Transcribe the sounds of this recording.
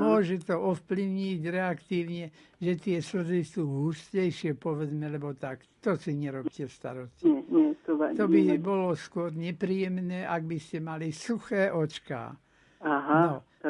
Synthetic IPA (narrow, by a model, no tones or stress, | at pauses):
mʊɔʒɛt̪ɔɔfpliʊɲiɟɾɛakt̪iːʊɲɛʒɛt̪ɪɛsr̩d̪isuːɦuscɛjʃɪɛpɔʋɛd͡zmɛlɛbɔt̪akt̪ɔsiɲɛɾɔp̚cɛst̪a̰ɾɔscɛɛt̪ɔt̪ɔbibɔlɔskʊɔɾɲɛpɾijɛmnɛːʔaɡ̚biscɛmalisuxɛːʔɔt͡ʃka̰ː | aɦanɔ